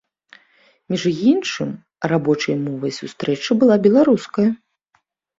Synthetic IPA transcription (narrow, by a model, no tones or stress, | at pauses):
mʲiʐjinʂɨm | rabɔt͡ʂɐjmɔvɐjsʲust̪ɾɛt͡ʂɨbɨlˠabʲɛlˠaɾuskɐjɐ